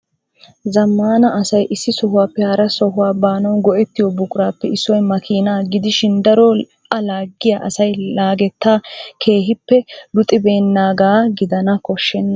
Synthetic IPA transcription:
zɐmːaːnɐʔɐsɐjʔɪsːɪsɔɦʊwaːpːɛhɐɾɐsɔɦʊwaːbaːnɐwɡɔʔɛt̪ːɪjɔbʊkʼʊɾaːpːɛɪsːɔjmɐkʰiːnaːɡɪd̪ɪʃɪnd̪ɐɾɔ | ʔɐlaːɡːɪjaːʔɐsɐjlaːɡɛt̪ːaːkʰe̞ːɦɪpːɛlʊt̪ʼːɪbe̞ːnːaːɡaːɡɪd̪ɐnɐkɔʃːɛnːɐ

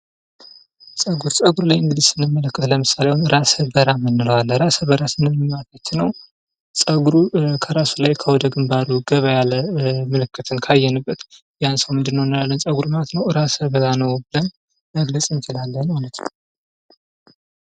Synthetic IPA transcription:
sʼəɡuɾsʼəɡuɾlajɨŋɡɨd̪izsɨnːɨmːələkːət̪ləmɨsalewnɨɾasəbəɾamɨnːɨləwalːəɾasəβəɾasɨnːɨmmat̪ʰat͡ʃːɪnːəw | sʼəɡuɾukʰəɾasulajkʰəwɔd̪əɡɨmbaɾuɡəβəjaləməlɨkːɨt̪ʰɨnkʰajːɛnɨbːət̪ | jansəwmɨnd̪ɨnːəwnːɨlalːənsʼəɡuɾmat̪nəwɨɾasəβəɾanəwbɨləm | məɡləsʼɨnt͡ʃɪlalːənmalət̪nə

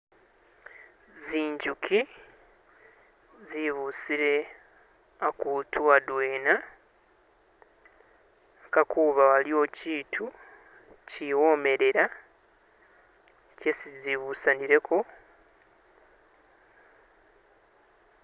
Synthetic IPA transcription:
ziːɲɟukʰi | ziβusiɾe̞ | akuːtʰuadwe̞ːna | kakʰuːβawalio̞ciːtʰu | ciwo̞me̞ɾe̞ɾa | cesiziβuːsaniɾe̞kʰo̞

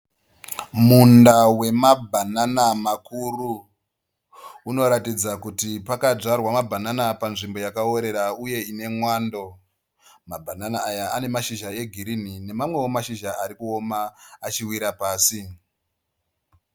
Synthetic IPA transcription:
mundawe̞mabʱananamakuru | no̞ɾatid͡zakutipakad͡ʐarwamabʱananapanʐimbo̞jakaoɾe̞ɾauje̞ine̞mwaːndo̞ | mabʱananaːjaane̞maʃiʒae̞ɡʱiɾinine̞mamwe̞wo̞maʃiʒaaɾikuo̞maːt͡ʃiwiɾapaːsi

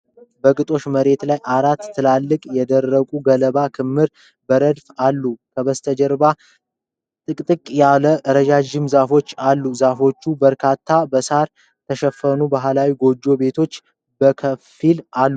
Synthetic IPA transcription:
bəkʼɨt̪ʼo̞ʃməɾe̞t̪lajʔaɾat̪ʰːɨlalːɨkʼjɛd̪ərːəkʼuɡələbakʰɨmːɨɾ | bəɾəd̪falːukʰəβəst̪ʰəd͡ʒɛɾba | t̪ʼɨkʼt̪ʼɨkʼjaləʔɾəd͡ʒad͡ʒɪmzafo̞t͡ʃːalːuzafo̞t͡ʃːubəɾkʰat̪ʰːabəsaɾ | t̪ʰəʃɛfːənubaɦlawiɡo̞d͡ʒːo̞be̞t̪ʰo̞t͡ʃː | bəkʰəfilalːu

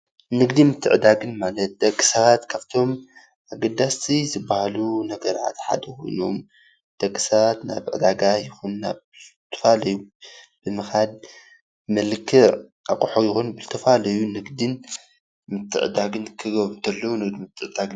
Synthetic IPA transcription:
nɨɡd̪imɨt̪ʰːɨ̰ʕɨd̪aɡɨnmalɐt̪̚d̪ɐkʼːɨ̥sɐβat̪kʰaβt̪ʰo̞m | ʔaɡɐd̪ːast̪ʰizɨbːahalunɐɡɐɾa̰t̪ħa̰d̪ɐko̞̰jno̰m | d̪̥ɐkʼːɨ̥sɐβat̪na̰βʕɨ̰d̪aɡajɪxunːaβ | t̪ʰɐ̥falɐju | b̥ɨmɨxad̪̚ | mɐlɨkʰːɨ | ʔa̰kʼuħojɪxonbɨzɨt̪ʰɐfalɐjunɨɡd̪ɨn | mɨt̪ʰːɨ̰ʕɨd̪aɡɨnkʰɨɡɐβt̪ʰɐlːɐwunɨɡd̪imɨt̪ʰːɨʕɨd̪aɡɨ

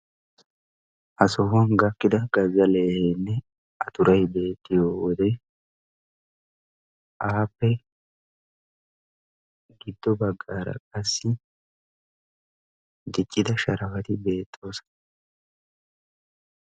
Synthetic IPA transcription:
ʔɐsɔhɐnɡɐkːɪd̪ɐɡɐzːɐleːheːnːɛ | ɐt̪ʊɾɐjbe̞ːt̪ʼːɪjoːwɔd̪ɛ | ʔaːpːɛ | ɡɪd̪ːɔbɐɡːaːɾɐ̰kʼɐsːɪ | d̪ɪt͡ʃʼːɪd̪ɐʃɐɾɐfɐt̪ɪbe̞ːt̪ʼːo̞ːsɐ̥

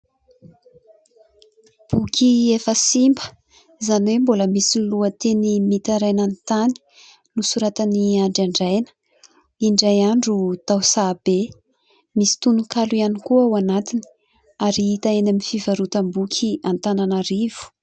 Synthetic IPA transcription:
b̥ukʲʰiefəsimbə̥ | zaniwemboləmisiluət̪enimit̪aɾajnant̪ani̥ | nusuɾat̪əniaɳɖ͡ʐaɳɖ͡ʐajnə̥ | iɳɖ͡ʐajaɳɖ͡ʐut̪awsab̥e | misi̥t̪unukaluianikuawanat̪ini̥ | aɾiit̪aenamifivaɾut̪əmbukʰʲiant̪ananaɾiv̥u̥

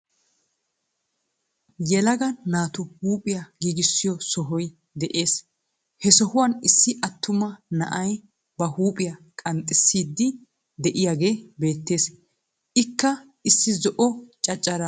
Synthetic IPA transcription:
jɛlɐɡɐnaːt̪ʊhuːpʼɪjaɡiːɡɪsːɪjɔsɔɦɔj | d̪ɛʔe̞ːs | hɛsɔhʊwɐːnɪsːɪʔɐt̪ʰːʊmɐnɐ̰ʔɐj | bɐhuːpʼɪjɐkʼɐnt̪ʼɪsːiːd̪ːɪ | d̪ɛʔɪjaɡe̞ːbe̞ːt̪ːe̞ːs | ʔɪkːɐ | ɪsːɪzɔʔɔt͡ʃʼɐt͡ʃʼːɐɾɐ

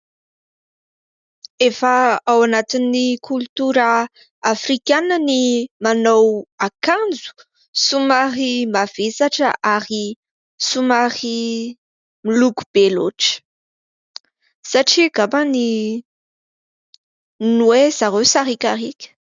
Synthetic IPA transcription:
efəawanat̪inːikʰult̪uɾə | afrikʲanənimanawakand͡zu̥ | sumarimav̥esaʈ͡ʂəʔaɾi | sumaχi | milukub̥elo̰ʈ͡ʂə̥ | saʈ͡ʂiɡabani | nuwez̥aɾewsaɾikʲaɾikʲə̥

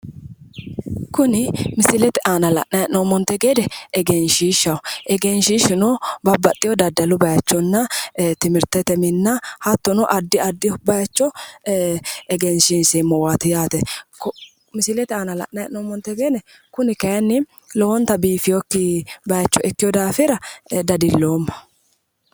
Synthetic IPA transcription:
kʊnɪmɪsɪlɛt̪ɛʔaːnɐlɐ̰ʔnɐjɛʔnomɔnt̪ːɛɡeːd̪ɛɛɡɛnʃiːʃɐwʔɛɡɛnʃiːʃɪnɔbɐbːɐt̪ʼːɪjɔd̪ɐd̪ːɐlʊbɐjɐt͡ʃːɔnːɐt̪ɪmɪɾt̪ɛt̪ɛmɪnːɐhɐt̪ːʊnɔʔɐd̪ːɪɐd̪ːɪbɐjɐt͡ʃːɔ | ɛɡɛnʃinsemɔwat̪ɪjaːt̪ɛkɔ | mɪsɪlɛt̪ɛanɐlɐ̰ʔnɐjɐ̰ʔnoːmɔnt̪ːɛɡeːnɛ | kʊnɪkɐjɐnːɪ | lɔwɔnt̪ɐbiːfɪjɔkːɪbɐjɐt͡ʃːɔʔɛkːɪjɔd̪aːfɪɾɐd̪ɐd̪ɪlːoːmːɐ̥

